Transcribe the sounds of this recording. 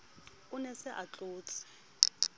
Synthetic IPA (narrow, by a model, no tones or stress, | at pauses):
ʊnɛsɪʔat͡ɬʼʊːt͡sʼɪ̥